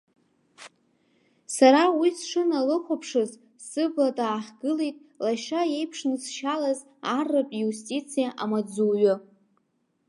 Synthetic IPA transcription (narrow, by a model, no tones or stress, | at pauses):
saɾawisʂɨnalɨχʷapʰʂɨz | sɨbladʼaːħɡɨlejtʼlaʃaje̞jpʰʂnɨsʃalaz | arːɨpʼjustʼit͡sʰijaʔamad͡zuɥʊ